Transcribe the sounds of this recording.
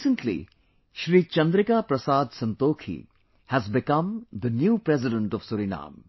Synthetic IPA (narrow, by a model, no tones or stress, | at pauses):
sə̃ɳʈlḭ | ʃɾiːt͡ʃɐ̃nd̪ɾɪkapɾɐsaːd̪sɐ̃nt̪oːkʰḭ | hæzbɪkɐ̃md̪ənjuːpɾɛzɪɖə̃ɳʈɔʋsuɾinã̰ːm